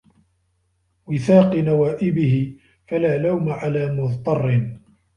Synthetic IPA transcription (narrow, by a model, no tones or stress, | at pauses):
wɪθɑːqɨnawaːʔɪbɪhɪ | falaːlawmaʕalaːmʊðt̪ˤɑrˤːɪn